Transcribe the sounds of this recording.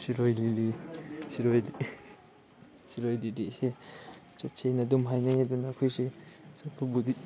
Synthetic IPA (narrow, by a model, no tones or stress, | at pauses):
siɾojlilisiɾojli | siɾojlidese | t͡ʃatt͡ʃʰejnɐdumɦajnajadunakʰujsisapʰubudit̚